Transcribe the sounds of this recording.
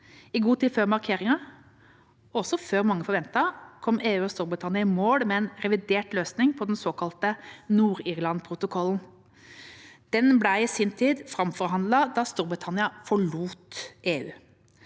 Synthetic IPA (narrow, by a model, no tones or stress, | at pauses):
ɪɡuːt̪ʰiːd̪føːɾmɑɾkʰeːɾɪŋɑ | ɔsɔføːɾmɑŋːəfɔɾʋɛnt̪ɑkʰɔmːeːʉːɔst̪uːɾbɾɪt̪ʰɑnɪɑɪmoːɽmɛɛnɾɛʋɪd̪eːʈløːsnɪŋpʰɔd̪ɛnsoːkʰɑlt̪ənuːɾɪːʁlɑnpʰɾʊt̪ʊkʰɔln | d̪̥ɛnblæɪɪsiːnt̪ʰiːd̪fɾɑmfɔɾɦɑnd̪lɑd̪ɑːst̪uːɾbɾɪt̪ʰɑnɪɑfɔɭuːt̪ʔeːʉ̰ː